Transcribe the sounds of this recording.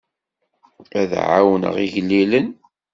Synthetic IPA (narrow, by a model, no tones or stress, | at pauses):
æðʕa̰wnə̰ʁiʝlːilən